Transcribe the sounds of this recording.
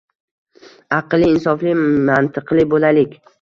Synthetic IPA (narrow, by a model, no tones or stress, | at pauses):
ɑqlˠiːnsɒflɪmant̪ʰɨqlˠɪbolalɪkʲ